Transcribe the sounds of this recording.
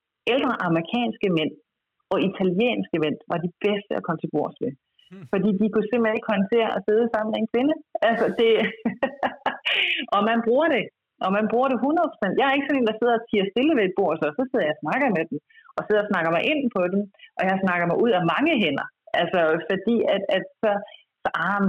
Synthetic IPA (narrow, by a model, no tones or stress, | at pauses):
eld̥ʁɐʔɑ̈məʁikʰɛ̰ːnsɡ̥əmen̰ | ɒ̽it͡sʰæljḛːnsɡ̥əmen̰ʋɑ̈d̥ib̥esd̥əækʰɒ̽mət͡sʰe̝b̥o̝ɐ̰sʋe | fɒ̽d̥ḭːd̥ikuse̝m̰̥lene̝ɡ̥kʰɒ̽nt͡sʰe̝̰ɐɒse̝ð̞ˠsɑ̈m̰n̩meenkʰʋe̝nəʔælsɒd̥e̝ | ɒ̽mænb̥ʁuːɐɾ̥e̝ | ʔɒ̽mænb̥ʁuːɐɾ̥e̝ɦunɐð̩ˠpʰo̥sen̰d̥jɑ̈ɪæɐe̝ɡ̥əsɒ̽nḛːnd̥ɑ̈se̝ð̞̰ˠɒt͡sʰiːɐsd̥e̝ləʋeed̥̚b̥o̝ɐ̰sɒsɒ̽seð̞̰ˠɐjɑ̈ɪsnɑ̈ɡ̥ɐmed̥emʔɒ̽se̝ðˠsnɑ̈ɡ̥ɐmɑɪʔe̝n̰pʰɒ̽d̥emʔɒ̽jɑ̈ɪsnɑ̈ɡ̥ɐmɑɪʔuð̞̰ˠæmɑ̈ŋəɦen̰ɐʔælsɒ̽fɒ̽d̥ḭːæd̥æd̥sɒ̽ | sɑ